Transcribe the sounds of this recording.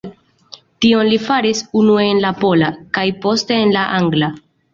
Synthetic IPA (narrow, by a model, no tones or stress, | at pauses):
tio̞nlifaɾisunueenlapo̞lakajpo̞ste̞ːnlaʔaŋɡla